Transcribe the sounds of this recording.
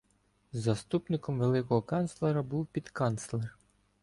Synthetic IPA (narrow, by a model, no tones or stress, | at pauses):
zɐst̪upnɪkɔmʋelˠɪkɔɦɔkɑnslˠɛɾɐbuwpʲid̪kɑnt̪slˠer